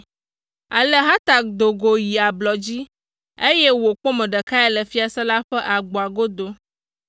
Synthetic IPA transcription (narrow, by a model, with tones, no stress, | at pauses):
a˨lə˨ɦa˦t̪a˨k̚d̪o˨ɡo˨ji˨a˨blɔ˨d͡ʑi˦ | e˦je˦wo˨k͡po˦mə̃˨ɖə˨ka˦ɛ˦lə˨fi˦a˨sɛ˦la˦ɸɛ˦ʔa˨ɡ͡bo˨a˨ɡo˦d̪o˦